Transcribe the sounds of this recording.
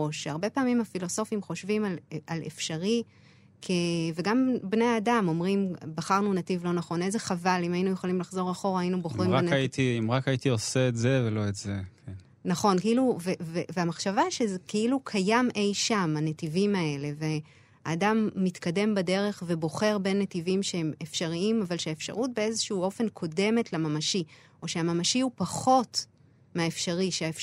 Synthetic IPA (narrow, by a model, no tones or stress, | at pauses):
oʃaʁbe̞paːmimafilo̞so̞fimχo̞ʃvimalalḛfʃaʁi | kʰeve̞ɡambneaːdamo̞mʁimbaχaʁnunativlo̞naχo̞ne̞zeχavalimajinujeχolimlaχzo̞ʁaχo̞ʁaːjinuboχʁimanait̪iimʁakait̪ioseetzevelo̞etzekʰen | naχo̞nkiluveveveamaχʃavaʃezekeilukʰajamʔe̞jʃamanetivimae̞le̞ve | aːdamːit̪kade̞mbade̞ʁe̞χve̞bo̞χe̞ʁbe̞nːetivimʃeemefʃaʁiimavalʃeaefʃa̰ʁut̚be̞e̞zeʃuuo̞fe̞nkʰo̞de̞me̞tlamamaʃi | o̞ʃeamamaʃiupaχo̞t | meaefʃaʁiʃeaef